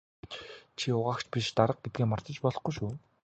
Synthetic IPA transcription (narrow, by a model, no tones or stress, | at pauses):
t͡ɕʰiʊʁaːkt͡ɕʰpʲiʃt̪aɾə̆q̚ɡet̪̚ɡeːmar̥t̪ə̆t͡ɕpɔɮɞ̆χɡujʃuː